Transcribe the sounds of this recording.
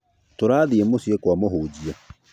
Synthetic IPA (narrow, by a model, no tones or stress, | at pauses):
toɾaːðiemosiekwamoɦuːd͡ʑia